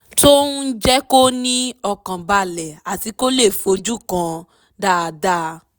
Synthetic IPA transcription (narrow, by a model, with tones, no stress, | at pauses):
to˦n̩˦d͡ʒɛ˦ko˦nĩ˦ɔ˧kã˨ba˧lɛ˨a˨ti˨˦ko˦le˦˨fo˧d͡ʒu˦˨kã˧ | da˦˨˧da˦